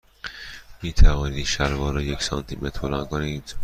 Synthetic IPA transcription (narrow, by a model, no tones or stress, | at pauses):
miːt̪ʰævɒːnid̪ʃæɾvɒːɾɒːjecsɒnt̪ʰimet̪ʰɾbolɑnkʰoniːd̪̥